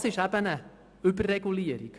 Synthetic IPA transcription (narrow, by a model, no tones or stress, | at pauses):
sɪʃæbənə | ʉbərːɛɡuliəɾḭk